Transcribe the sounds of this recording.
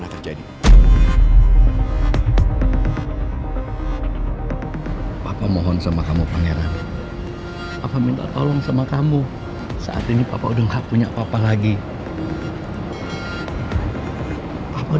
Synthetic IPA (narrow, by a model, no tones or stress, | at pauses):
nakəd͡ʒadi | papamɔɦɔnsamakamupaŋeɾan | papamint̪a̰ʔt̪olɔŋsamakamu | sa̰ʔa̰t̪inipa̰paudaŋhaʔpuɲapapalaɡi | papau